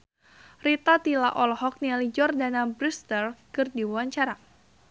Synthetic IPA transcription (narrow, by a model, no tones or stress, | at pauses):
rit̪at̪ila̰ʔɔlhɔk̚nialid͡ʒɔrdanabɾust̪ərkɨrdiwuaɲt͡ʃaɾa